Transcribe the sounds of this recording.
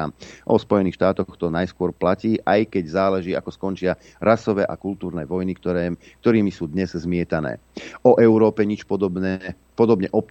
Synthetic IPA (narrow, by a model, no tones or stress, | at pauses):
aʔɔspɔjɛniːxʃt̪aːt̪ɔxt̪ɔnajskʊɔɾplaciːʔajkɛɟzaːlɛʒiːa̰kɔskɔnt͡ʃɪa | ɾasɔʋɛːʔa̰kult̪uːɾnɛːʋɔjnik̪ | kt̪ɔɾiːmisuːd̪ɲɛzzmɪɛt̪anɛ̰ːɔʔɛʊɾɔːpɛɲit͡ʃpɔd̪ɔbɛ | pɔd̪ɔbɲɛʔɔp̚